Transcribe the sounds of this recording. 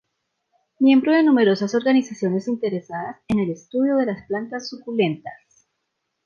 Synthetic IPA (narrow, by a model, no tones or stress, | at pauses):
mje̞mbɾo̞ðe̞nume̞ɾo̞saso̞ɾɡanisasjo̞ne̞sint̪e̞ɾe̞saðase̞ne̞le̞st̪uð̞joð̞e̞lasplant̪asːukule̞nt̪as